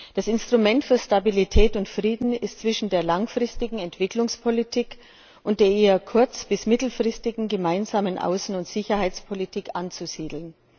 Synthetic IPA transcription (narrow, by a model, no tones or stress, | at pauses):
d̥asɪnstʁ̥ʊmɛntfyːɐʃtabilitʰɛːtʊntfʁ̥iːdn̩ɪstt͡sv̥ɪʃn̩deːɐlaŋfʁ̥ɪstɪɡŋ̩ɛntv̥ɪklʊŋspʰolitʰiːk | ʔʊntd̥eːɐʔeːɐkʰʊɐt͡sb̥ɪsmɪtl̩fʁ̥ɪstɪɡŋ̩ɡəmaɪnzaːmənʔa̰ʊsn̩ʊntz̥ɪçɐhaɪt͡spʰɔlitʰiːkʔant͡suziːdl̩n